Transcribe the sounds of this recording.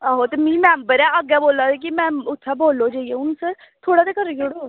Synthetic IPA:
aːɦot̪eːmĩːmɛ̃ːmbəɾɛ̃ːəɡɛːboːlaːdek̬ɪmɛ̃ːʊt̪ʰːɛːboːlːoːd͡ʒaːieːʊnũːsəɾ | t̪ʰoːɽaːd̪eːkəɾd͡ʒoːɽoː

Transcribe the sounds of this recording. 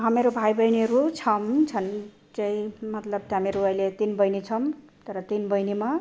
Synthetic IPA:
ɦameɾobʱajbʌjneɾut͡sʰʌmt͡sʰʌn | t͡sʌĩmʌt̪lʌb̚t̪ɦameɾuʌjlet̪inbʌjnit͡sʰʌmt̪ʌɾʌt̪inbʌjnima

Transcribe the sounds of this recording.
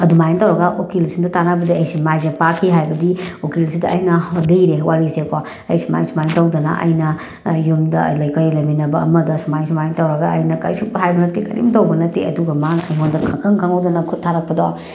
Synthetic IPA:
ɐdumajntawɾɐɡaʔokilsindɐtanabɐdiɐjsimajzepakʰiɦajbɐdiokilsidɐʔːjnɐdiɾewʔaɾiseko | ɐ̰jsima̰jnsumajntawdɐnɐ̰ʔɐ̰jnɐ | jumdɐ̰lɐjkɐjlɐminɐbɐːmɐdɐsumajns̬umajntawɾɐɡaɐjnɐkɐ̰jsuk̚bɐɦajbɐnɐtːekɐ̰nʔḭmtawbɐnɐtːeɐduɡɐmanɐ̰ɦondɐkʰɐkʰɐŋkʰaŋɐwdɐnɐkʰutʰːaɾɐk̚pɐdawa̰

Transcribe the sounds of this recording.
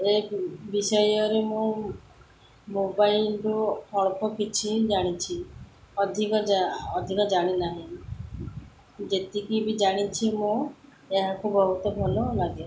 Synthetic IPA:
ebisɔjɔɾemũ | mobailɾuhɔɭpɔkit͡ʃʰid͡ʒaɽ̃it͡ʃʰi | ɔd̪ʱikɔd͡ʒaɔd̪ʱikɔd͡ʒaɽ̃inaɦĩ | d͡ʒet̪ikimĩd͡ʒaɽ̃it͡ʃʰimũ | eɦakubɔɦut̪ɔbʱɔlɔlaɡe

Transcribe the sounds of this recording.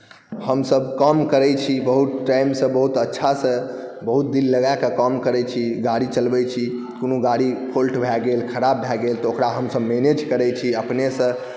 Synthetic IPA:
həmsəbkəmkəɾɛt͡ʃʰibəɦut̪ʈajmsə̃bəɦut̪ətːʃʰasə̃ | bəɦut̪̚d̪ilːəɡakəkəmkəɾɛt͡ʃʰiɡaɽit͡ʃəlbɛt͡ʃʰi | konuɡaɽipʰolʈbʱɛɡelkʰəɾabːʱɛɡelt̪ɔokɾaɦəmsəbmened͡ʒkəɾɛt͡ʃʰiəpnesə̃

